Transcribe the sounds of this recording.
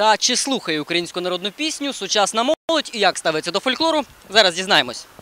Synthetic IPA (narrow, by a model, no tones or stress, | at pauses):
t̪ɐt͡ʃɪslˠuxɐjɛʊkɾɐjinʲsʲkʊnɐɾɔd̪nʊpʲisʲnʲʊsʊt͡ʃɑsnɐmɔlˠɔtʲijɐkst̪ɑʋɪt͡sʲːɐd̪ɔfɔlʲklˠɔɾʊ | zɑɾɐzdʲiznɑjemɔsʲ